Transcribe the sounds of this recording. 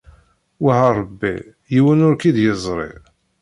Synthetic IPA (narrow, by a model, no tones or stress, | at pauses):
wahaɾˤbːḭ | jiwənʊɾkid̪jəzˤɾˤḛ